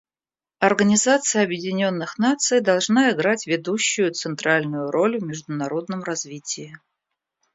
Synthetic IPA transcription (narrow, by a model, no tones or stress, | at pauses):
ɐrɡənʲɪzat̪sɨjəɐbjɪdʲɪnʲo̞nːɨxnat̪sɨjd̪ɐlˠʐnaɪɡɾatʲvʲɪd̪uɕːʊjʊt̪sɨnt̪ɾalʲnʊjʊɾʔo̞lʲvmʲɪʐd̪ʊnɐɾo̞d̪nəmrɐzvʲitʲɪjɪ